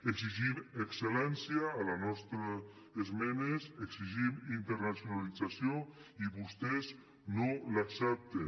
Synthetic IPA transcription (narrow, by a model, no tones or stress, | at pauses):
eɡziʒimekselɛnsjaːlanɔst̪ɾa | ezmɛneseksiʒimint̪eɾnasjunalid͡zasjo | iβust̪ɛz | nolaksɛp̚t̪e